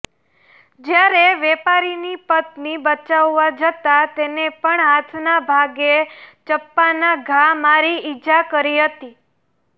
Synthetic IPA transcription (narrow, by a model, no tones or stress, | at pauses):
d͡ʒjaɾeʋɛpaɾinipət̪nibət͡ʃaʋːad͡ʒət̪at̪enepəɳɦat̪ʰnabʱaɡet͡ʃəpːanaɡʱamaɾiid͡ʒakəɾiɦət̪i